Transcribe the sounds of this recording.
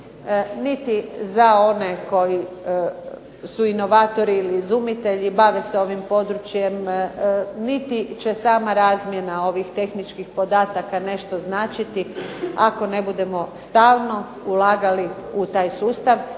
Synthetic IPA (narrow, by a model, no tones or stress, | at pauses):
nit̪izao̞ne̞ko̞ji | suino̞ʋaːt̪o̞ɾiːlizumit̪e̞ʎibaʋeseo̞ʋimpo̞d̪ɾut͡ʃje̞m | nit̪it͡ɕe̞saːmaɾaːzmjenao̞ʋixt̪e̞xnit͡ʃkixpo̞d̪aːt̪akane̞ʃt̪o̞znaːt͡ʃit̪iako̞ne̞bud̪e̞mo̞st̪aːlno̞ | ulaːɡaliut̪aːjsuːst̪aʋ